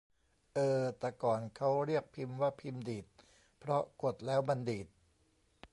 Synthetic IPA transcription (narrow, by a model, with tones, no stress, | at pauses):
ʔɤː˧t̪ɛː˨˩kɔː˨˩nkʰa˦˥wɾi˥˩ək̚pʰi˧mwaː˥˩pʰi˧mdiː˨˩t̪̚ | pʰɾɔ˦˥ʔko˨˩t̪̚lɛː˦˥wma˧ndiː˨˩t̪̚